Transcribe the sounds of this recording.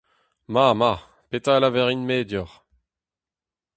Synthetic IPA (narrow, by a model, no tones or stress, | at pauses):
mama | pet̪alavɛʁinmeːd̪jɔʁ